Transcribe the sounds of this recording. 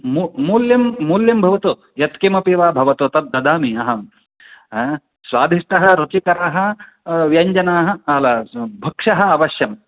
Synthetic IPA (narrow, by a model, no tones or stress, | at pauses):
mumuljimːuljimbʱɐʋɐt̪u | jɐt̪kimɐpiʋaːbʱɐʋɐt̪ut̪ɐd̪̚d̪ɐd̪aːmiɐɦɐm | sʋaːd̪ʱiʂʈɐɦɐ̆ɾut͡ʃikɐɾaːɦɐ̆ | ʋjɐɲd͡ʒɐnaːɦɐ̆ɐlɐbʱɐkʂɐɦɐ̆ɐʋɐʃjɐm